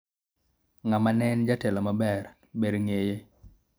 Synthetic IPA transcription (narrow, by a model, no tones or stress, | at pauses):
ŋamanɛnd͡ʒatɛlɔmabɛr | bedŋeje